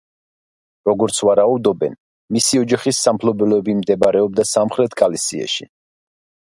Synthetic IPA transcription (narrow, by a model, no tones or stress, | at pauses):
ɾɔɡɔɾt̪sʰwaɾaud̪ɔbɛn | misiɔd͡ʒaχisːampʰlɔbɛlɔɛbimd̪ɛbaɾɛɔb̚d̪asamχɾɛt̪ʰkʼalisiɛ̰ʃḭ